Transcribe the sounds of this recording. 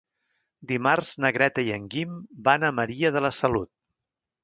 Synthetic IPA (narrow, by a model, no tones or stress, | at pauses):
d̪imarz̥nəɣɾɛt̪əiəŋɡimbanəməɾiəð̞ələsəlut̪̚